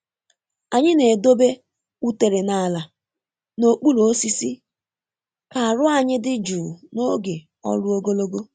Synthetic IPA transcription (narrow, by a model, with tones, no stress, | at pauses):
a˨ɲɪ˦ne˨do˦be˦ | u˦te˨ɾe˨na˦˨la˨ | no˨k͡pu˦lo˨o˦si˦si˦ | ka˨a˨ɾʊ˦a˦˨ɲɪ˦dɪ˦d͡ʒu˨no˦ɡe˨ | ɔ̰˦lʊ˦o˦ɡo˦lo˦ɡo˦